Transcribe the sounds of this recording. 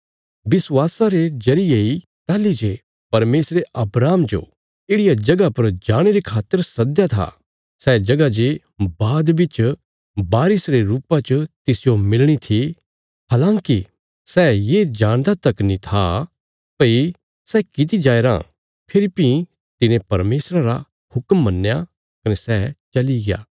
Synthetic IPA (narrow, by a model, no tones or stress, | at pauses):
bɪswaːsaɾed͡ʒɐɾɪjei | t̪aːlid͡ʒe | pɐɾmeːsɾeʔɐbɾaːmd͡ʒo̰ | eːɽɪjad͡ʒɐɡapɐɾd͡ʒaːɽ̃eɾekʰaːt̪ːəɾsɐd̪jat̪ʰa̰ | sɛːd͡ʒɐɡad͡ʒe | baːd̪bɪt͡ʃ | baːɾɪsɾeɾuːpat͡ʃət̪ɪsɪjomɪlɽ̃it̪ʰi | ɦaːlãːki | sɛːjeːd͡ʒãːɽ̃d̪at̪ɐknĩt̪ʰa | pɐi | sɛkɪt̪̬id͡ʒaːeɾã̰ | pʰɪɾɪpĩ | t̪ɪnẽpɐɾmeːsɾaɾa̰ | hʊkmːɐnːja | kɐnɛsɛːt͡ʃɐliɡɪja̰ː